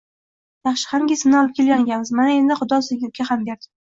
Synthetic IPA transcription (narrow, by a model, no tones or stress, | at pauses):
jɑχʃɪ̥hanŋɡʲesɪmnɪɒlˠɪp̚kʲe̞lʲɡʲaŋʲanmɪzmanae̞nd̪ɪχʊd̪ɒsɪɡʲɪɡʲahambeɾd̪ɪ